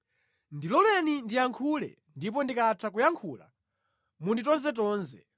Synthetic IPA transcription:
ndilɔlɛnindijaŋkʰulɛ̰ | ndip̬ɔndikatʰakujaŋkʰuːla̰ | munditɔnzɛt̬ɔːnzɛ

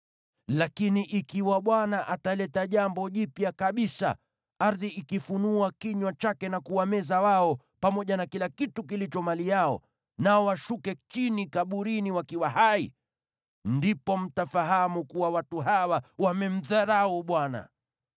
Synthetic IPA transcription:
lakiniʔikiwaɓwanaʔatalɛtaʄambɔʄipjakaɓisa̰ | aɾðiikifunuakiɲwat͡ʃakɛnakuwamɛzawaɔ | pamɔʄanakilakitukilit͡ʃɔmalijaɔ̰ | naɔwaʃukɛt͡ʃinikaɓuɾiniwakiwaɦai | ndipɔm̩tafaɦamukuwawatuɦawawamɛm̩ðaɾauɓwana̰

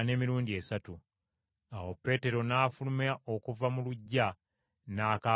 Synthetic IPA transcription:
ne̞ːmiɾuːɲdieːsatu | awopːe̞ːte̞ɾo̞naːfulumeao̞kuvamuluɟːa | naːka

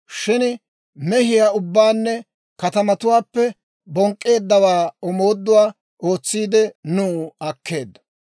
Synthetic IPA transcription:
ʃɪnɪ | mɛhɪjaːʊbːaːnːɛ | kɐt̪ɐmɐt̪ʊwaːpːɛ | bɔŋkʼːe̞ːd̪ːɐwaːɔmo̞ːd̪ːʊwaː | o̞ːt͡sːiːd̪ɛnuːɐkːe̞ːd̪ːɐ̥

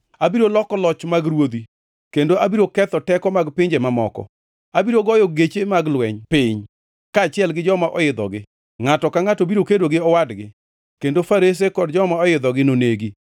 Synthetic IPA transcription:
abiɾolɔkɔlɔt͡ʃmaɡɾwod̪i | kendoʔabiɾokɛt̪ɔtɛkɔmaɡpɪɲd͡ʒemamɔ̰kɔ̰ | abiɾoɡɔjɔɡet͡ʃemaɡlwɛɲpɪɲ | kaːt͡ʃɪɛlɡɪd͡ʒɔmaʔɔjɪd̪ɔ̰ɡɪ | ŋatɔkaŋatobiɾokedwoɡɪɔwadɡɪ | kendofaɾes̬ekɔdd͡ʒɔmaɔjɪd̪ɔɡɪnoneɡi

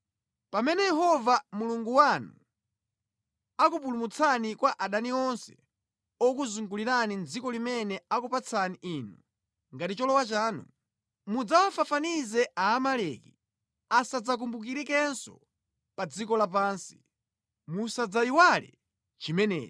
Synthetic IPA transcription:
pamɛnɛjɛɦɔvamuluŋɡuwanu | akupulumut͡sʰanikwaʔaɗaniɔnsɛ | ɔkuzuŋɡuliɾanind͡zikɔlimɛnɛakupat͡sʰaniʔiːnu | ŋɡatit͡ʃɔlɔwat͡ʃaːnṵ | mud͡zawafafanizɛaːmalɛki | asad͡zak̬umbuk̬iɾikɛnsɔ̰ | pad͡zikɔlap̬aːnsi̥ | musad͡zaiwalɛ̰ | t͡ʃimɛnɛ̰ːt͡ʃ

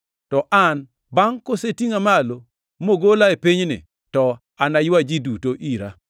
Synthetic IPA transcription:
tɔʔan | baŋkosetiŋamalo | moɡolaepiɲnɪ̰ | tɔ | anajwad͡ʒidutoʔiɾa̰

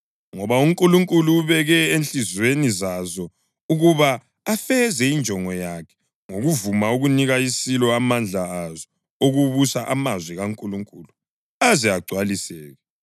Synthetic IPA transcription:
ŋɔβauŋkʼuluŋkʼuluːβɛɣɛenɬizwenizazɔ | uɣuβaː | fɛzɛind͡ʒʱɔŋɔjakʰɛ̥ | ŋoɣuvumauɣuniɣaisilɔamand͡ɮʱaazɔ | oɣuβusaʔamazwiɣaŋkʼuluŋkʼuːlu | azɛaɡ͡ǀʱwalisɛːɣɛ

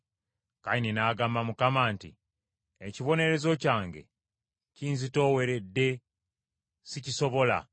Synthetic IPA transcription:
kaininaːɡaːmbamukamaːntḭ | eciβo̞ne̞ɾe̞zo̞caːŋɡe̞̰ | ciːnzito̞ːwe̞ɾe̞dːe̞ | siciso̞βo̞la̰

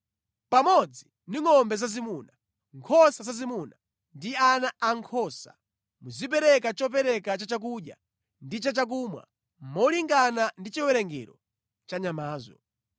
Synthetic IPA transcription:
pamɔd͡zi | niŋɔmbɛzazimuna | ŋkʰɔsazazimuna | ndianaʔaŋkʰɔsa̰ | muzip̬ɛɾɛk̬at͡ʃɔp̬ɛɾɛkat͡ʃat͡ʃak̬uɗja̰ | ndit͡ʃat͡ʃak̬umwa̰ | mɔliŋɡanandit͡ʃiwɛɾɛŋɡɛ̰ɾɔ̰ | t͡ʃaɲamaːzɔ̰

